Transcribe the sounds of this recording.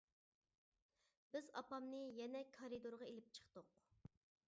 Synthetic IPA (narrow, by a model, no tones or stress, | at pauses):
b̥ɪzɑ̰pɑmnɨjɛnɛkʰɑɾid̪oɾʁɑelɪp̚t͡ʃʰə̥χt̪ʊq